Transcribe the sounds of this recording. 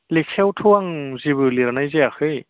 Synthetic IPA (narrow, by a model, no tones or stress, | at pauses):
leksʰewtʰɯwaŋzibɯliɾanajzeakɯj